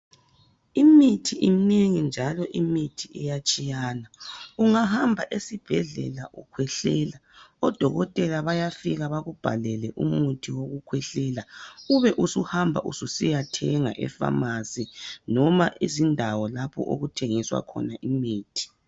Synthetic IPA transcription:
imitʰiʔimineŋind͡ʒʱalɔʔimitʰiɛjat͡ʃʼijaːnauŋahambʱaʔesib̥ʱɛɮɛ̰laʔukʰwɛɬɛːlaɔd̥ʱɔɣɔtʼɛlaβajafiɣaβaɣub̥ʱa̰lɛlɛʔumutʰiwoɣukʰwɛɬɛlauβɛʔusuhambʱa̰ʔususijatʰɛŋa̰ʔɛ̰fa̰masinɔmaʔizindʱawɔlapʰɔ̰ʔo̰ɣutʰeŋiswa̰kʰɔ̰naʔimiːtʰi̥

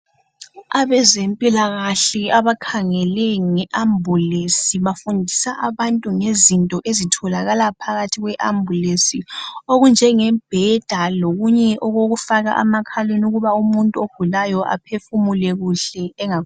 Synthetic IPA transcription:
aβɛzempʼilaɣaɬɛaβakʰaŋɛlɛŋɛʔambʱulesiβafundʱisaʔaβantʼuŋezintʼɔʔezitʰɔlaɣalapʰaɣatʰiɣwɛʔambʱulesioɣund͡ʒʱɛŋɛb̥ʱɛd̥ʱaloɣuɲɛʔɔɣoɣufaɣa̰ʔa̰makʰalenuɣuβaumuntʼuohulajɔʔa̰pʰefumulɛɣuɬɛːŋak

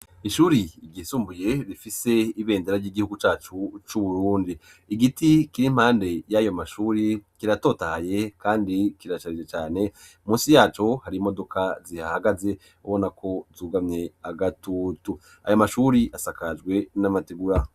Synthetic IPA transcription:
iʃuːɾiːɟisuːmbuje̞ɾifise̞iβe̞ːndeɾaɾɟiɡihuɡut͡ʃaːt͡ʃut͡ʃuβuɾuːndiː | ɡitikiɾim̥haːnde̞jajo̞maʃuːɾikiɾato̞ːtahaje̞kaːndikiɾat͡ʃaɾid͡ʒet͡ʃaːne̞ | muːsijaːt͡ʃo̞haɾimo̞do̞kʰazihahaɡaze̞ | uβo̞nakʰo̞zuːɡamɲe̞aɡatuːtu | a̰jomaʃuɾiʔasakad͡ʒɡwe̞namatiɡuɾa

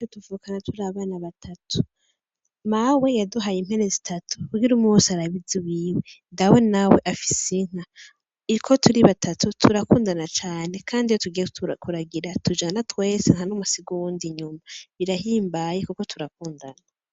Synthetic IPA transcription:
oduvuːkanatʰuɾaβaːnaβatʰatʰu̥ | mawe̞jaduɦajim̥he̞ne̞zitʰatu̥kuɡiɾumusaɾaβiziwiːwendawe̞nawe̞ʔafi̥siŋ̥a | ikʰo̞tʰuɾiβatʰatʰutʰuɾakuːndanat͡ʃaːne̞kʰaːndijotuɡijekuɾaɡiɾatʰud͡ʒanatwe̞ːseŋhanumusiɡuwuːndiɲumaβiɾahiːmbajekuko̞tʰuɾak̚uːndanaa

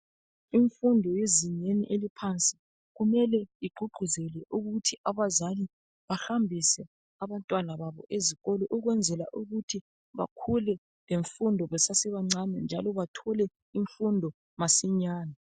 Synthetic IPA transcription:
iɱfundʱɔjeziɲenḭʔelipʰant͡sʼi̥ | ɣumɛlɛiɡ͡ǃʱuɡ͡ǃʱuzɛlɛʔuɣutʰiʔaβazali | βahambʱisɛ | aβantʼwanaβaβɔ̰ʔeziɣɔlɔʔuɣwɛnd͡zʱɛlaʔuɣutʰi | βa̰kʰulɛ | leɱfundʱɔβɛsasɛβaŋ͡ǀanɛnd͡ʒʱalɔβatʰɔlɛ | iɱfundʱɔ | masiɲaːna

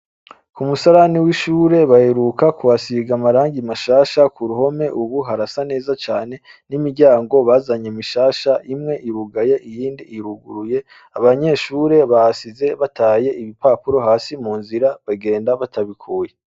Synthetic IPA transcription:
kumusaɾaniwiʃuːɾe̞βaheɾukakuwasiɡamaɾaːŋɡimaʃaːʃakʰuɾuho̞me̞ʔuβuɦaɾasane̞ːzat͡ʃaːne̞nimiɾɟaːŋɡo̞βaːzaɲemiʃaːʃaʔimŋe̞ʔiɾuɡaje̞ʔijiːndiːɾuɡuɾuje̞ | aβaɲe̞ʃuːɾe̞βahasize̞βatʰaːje̞iβipaːpuɾo̞ɦaːsimuːnziɾaβaɡe̞ːndaβatʰaβikʰuːje

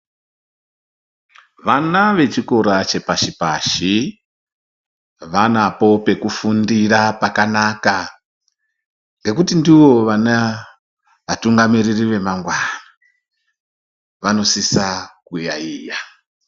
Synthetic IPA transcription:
ʋanaʋe̞t͡ʃiko̞ɾat͡ʃe̞paʃipa̰ʃi | ʋanapo̞pe̞kufundirapakanaka | ŋɡe̞kutindiʋo̞ʋana | ʋatuŋɡamiririʋe̞maŋɡwana | ʋano̞sisakuja̰iːja

